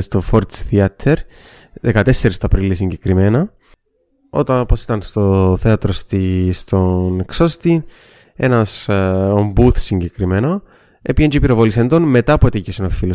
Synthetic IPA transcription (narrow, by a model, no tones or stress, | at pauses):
st̪ofoɾt̪t͡sθiɐt̪ʰeɾ | ðekɐt̪e̞sːe̞ɾist̪ɐpɾilisiɲɟekɾime̞nɐ | o̞̰t̪ɐnoposi̥t̪ɐnst̪oθe̞ɐt̪ɾost̪ist̪oneksost̪i | e̞̰nɐsombuθsiɲɟekɾimeno̞ | epiend͡ʒipiɾovolisend̪o̞nme̞t̪ɐpot̪icesinofilo